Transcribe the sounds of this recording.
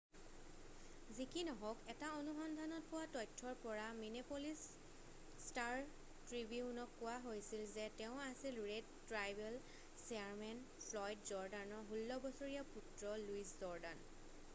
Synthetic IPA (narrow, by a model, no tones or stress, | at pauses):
zikinɔɦɔkɛtaonuxɔndʱanɔt̚pʊwatɔjtʰːɔɹpɔɹaminepolis | taɹ | tɹibiunɔkːʊwaɦojsilzɛtɛʊ̃asilɹedtɹajbɛl | sɛaɹmɛn | pʰlɔjdzɔɹdanɔɦulːɔbɔsoɹijaputɹɔluiszɔɹdan